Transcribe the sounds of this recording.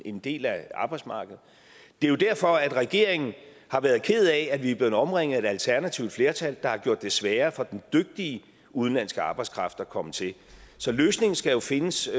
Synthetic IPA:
e̝nd̥e̝̰ːlæɑ̈ːb̥ɑ̈ɪdsmɑ̈ːɡ̥əð̞̩ˠ | d̥e̝jo̝d̥æɐ̰fɒ̽æd̥ʁɛɡ̥e̝̰ɐ̰eŋn̩ | hɑ̈ʋæːɐð̞ˠkʰe̝ð̞̩ˠɛædʋib̥leːð̩ˠɒ̽mʁeŋ̰ð̩ˠæe̝d̥ælt͡sʰæɐnæt͡sʰiʊd̥fle̝ɐt͡sʰæld̥ɑ̈hɑ̈ɡ̥jo̰ɐd̥esʋæːɐfɒ̽d̥end̥øɡ̥̚d̥iə | uð̞ˠnlæn̰sɡ̥əɑ̈ːb̥ɑ̈ɪskʰʁɑ̈fd̥ækʰɒ̽mət͡sʰe̝l | sɒ̽løːsne̝ŋn̩sɡ̥æjo̝fe̝nəs

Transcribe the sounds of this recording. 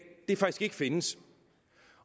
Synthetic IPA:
d̥e̝fɑ̈ɡ̥isɡ̥e̝ɡ̥əfe̝nəs

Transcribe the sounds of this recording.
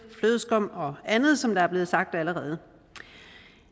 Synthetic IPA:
fløðˠsɡ̥ɒ̽m̰ɒ̽ænð̞̩ˠsɒ̽md̥ɑ̈æɐb̥le̝ːð̞̩ˠsɑ̈ɡ̥̚d̥æləʁɛːð̞̩ˠə

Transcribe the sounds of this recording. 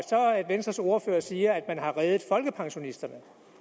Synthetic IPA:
sɒ̽æd̥ʋensd̥ʁɐso̝ɐfø̰ːɐsiːɐæd̥mænɦɑ̈ʁɛːð̞ˠð̩ˠfɒ̽lɡ̥əpʰɑ̈ŋɕo̝nisd̥ɐnə

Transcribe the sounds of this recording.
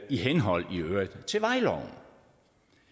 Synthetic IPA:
iɦenɦɒ̽l̰iøːɐd̥t͡sʰe̝ʋɑ̈ɪlɒ̰ʊn̩

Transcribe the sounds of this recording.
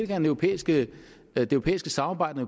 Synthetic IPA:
lɡ̥æ̥enœopʰḛːisɡ̥ə | d̥eøʊo̝pḛːisɡ̥əsɑ̈mɑ̈ːbɑ̈ɪ̰d̥ɐe

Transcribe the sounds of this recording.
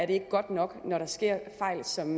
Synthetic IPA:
æɐɾe̝e̝ɡ̥əɡ̥ɒ̽d̥nɒ̽ɡ̥nɒɾɑ̈sɡ̥e̝ɐ̰fɑ̈ɪ̰lsɒ̽m

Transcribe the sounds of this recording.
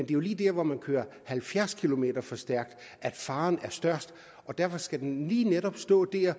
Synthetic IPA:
end̥e̝jo̝liːd̥æɐ̰ʋɒmænkʰøːɐhælfjæɐskʰilo̝me̝̰ːd̥ɐfɒ̽sd̥æɐɡ̥̚d̥ | ʔæd̥fɑ̈ːnæɐsd̥ɶɐ̰sd̥ | ɒ̽d̥æɐfɒ̽sɡ̥æd̥enliːneɾ̥ɒ̽b̥sd̥ɔ̰̽ːd̥e̝ɐ

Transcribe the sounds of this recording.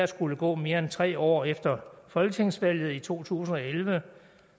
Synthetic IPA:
sɡ̥uləɡ̥ɔ̰̽ːme̝ːɐent͡sʰʁɛ̰ːɒ̰ːefd̥ɐfɒ̽lɡ̥ət͡sʰe̝ŋ̰sʋæl̰jð̞̩ˠit͡sʰo̝̰ːt͡sʰṵːs̬n̩ɒ̽elʋə

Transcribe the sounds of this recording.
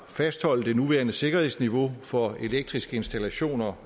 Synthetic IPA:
fæsd̥hɒ̽l̰d̥e̝nuʋæɐnəse̝ɡ̥ɐhe̝sniʋo̝fɒ̽e̝leɡ̥̚d̥ʁisɡ̥əe̝nsd̥ælæɕo̝̰ːnɐ

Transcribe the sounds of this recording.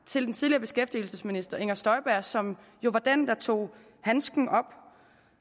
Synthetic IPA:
t͡sʰe̝ld̥ent͡sʰiðˠliɐːb̥e̝sɡ̥efd̥il̩səsminisd̥ɐʔe̝ŋ̰ɐsd̥ɒ̽ɪb̥æɐ̰sɒ̽m | jo̝ʋɑ̈d̥end̥ɑ̈t͡sʰo̝̰ː | hænsɡ̥n̩ɒ̽b̥

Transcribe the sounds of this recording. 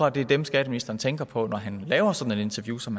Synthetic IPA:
ʁɑ̈d̥e̝d̥emsɡ̥ɛd̥əminisd̥ɐnt͡sʰeŋɡ̥ɐpʰɒ̽nɒɦænlɛːʊɐsɒ̽d̥n̩e̝de̝nt͡sʰɛɐjṵːsɒ̽mhæ

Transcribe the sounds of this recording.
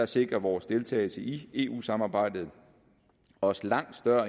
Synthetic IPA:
ɑ̈se̝ɡ̥ʁɐʋɒːsd̥e̝lt͡sʰɛ̰ːɪl̩səʔie̝ːʔṵːsɑ̈mɑːb̥ɑ̈ɪ̰d̥ð̞̩ˠ | ɒ̽slɑ̈ŋ̰d̥sd̥ɶɐ

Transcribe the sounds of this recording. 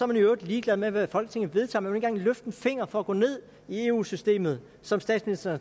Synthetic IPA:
sɒɐmænjoød̥liːɡ̥lɛð̞ˠmeʋæfɒ̽l̰ɡ̥ət͡sʰe̝ŋ̰̩ʋe̝ð̞ˠt͡sʰɑ̈mænmnenɡ̥ɑ̈ŋløfd̥n̩fe̝ŋ̰ɐfɒ̽æɡ̥ɔ̰̽ːne̝ð̞̰ˠ | ie̝ːṵːsysd̥e̝̰ːmð̩ˠ | sɒ̽msd̥ɛ̰ːdsminisd̥ɐ

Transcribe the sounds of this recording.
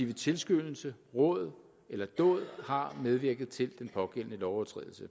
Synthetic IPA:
iʊðt͡sʰe̝lsɡ̥ønl̩səʁɔ̽ð̩ˠ | elɐd̥ɔ̰̽ːðˠhɑ̈með̞ˠʋiɐɡ̥ð̞̩ˠt͡sʰe̝ld̥enpʰɒ̽ɡ̥en̰ənəlɒʊɒt͡sʰʁɛ̰ðˠl̩sə

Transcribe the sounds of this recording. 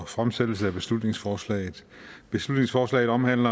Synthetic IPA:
fʁamsed̥l̩səæb̥e̝slud̥ne̝ŋsfɒːslɛ̰ːɪð̩ˠb̥e̝slud̥ne̝ŋsfɒːslɛ̰ːð̩ˠɒ̽mhæn̰lɐ

